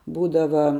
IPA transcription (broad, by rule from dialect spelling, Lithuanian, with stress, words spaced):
ˈbuːdɐʋɐ